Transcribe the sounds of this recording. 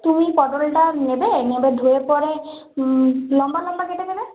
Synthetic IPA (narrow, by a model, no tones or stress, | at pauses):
t̪umipɔɖolʈanebenebed̪ʱuepɔɾe | lɔmbalɔmbakeʈed̪ebe